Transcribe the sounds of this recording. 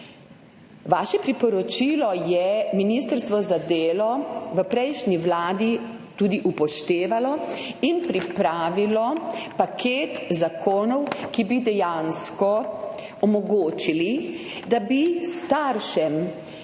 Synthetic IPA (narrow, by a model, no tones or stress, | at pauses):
ʋaːʃɛpɾipɔɾɔt͡ʃilɔjɛminist̪əɾst̪ʋɔzad̪eːlɔʋəpɾɛjʃniʋlaːd̪i | t̪ud̪iʔupɔʃt̪eːʋalɔinpɾipɾaːʋilɔpakʰeːt̪zakʰoːnɔwkibid̪ɛjãnskɔ | ɔmɔɡoːt͡ʃili | d̪abist̪aɾʃɛm